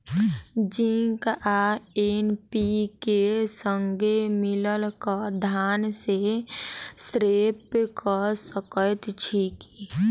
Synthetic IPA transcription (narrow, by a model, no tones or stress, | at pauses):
d͡ʒiŋkaenpikesəŋɡemɪləlkad̪ʱaːnse | sɾeːpkɔsəkət̪t͡ʃʰiːki